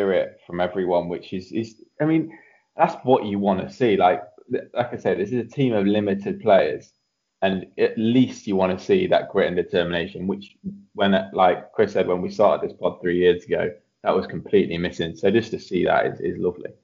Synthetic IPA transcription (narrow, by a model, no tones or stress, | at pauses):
ɹɪtfɹə̃mɛvɹiwʌ̃nwɪt͡ʃɪzɪzaɪmĩn | ðatswɒt͡ʃəwɒ̃ntəsiːlaɪk̚laɪkaseɪðɪsɪzətʰĩməvlɪ̃mɪtʰɪd̚pʰl̥eɪəz̥ | ə̃nəʔliˑst͡ʃəwɒ̃ñtəsiðə̰ʔ̚ɡ̥ɹɪʔn̩dɪtʰɜːmɪñeɪʃə̃nwɪt͡ʃwə̃nlaɪkʰɹ̥ɪsɛd̚wə̃nwistɑˑtɪ̰d̪̚ðɪspʰɒd̪̚θɹijɪəzəɡoʊ | ðəʔwɒz̥kʰə̃mpʰl̥iˑʔlimɪsɪ̃ŋsoʊd͡ʒʌstʰəsiːðə̰tɪ̰zɪ̰zlʊvlḭ